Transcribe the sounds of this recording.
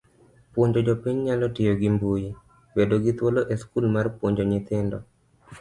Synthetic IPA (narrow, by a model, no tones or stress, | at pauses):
pwoɲd͡ʒod͡ʒɔpiɲɲalɔtɪjoɡimbuji | bedoɡɪt̪woloʔeskulmarpwoɲd͡ʒoɲɪt̪ɪndɔ̰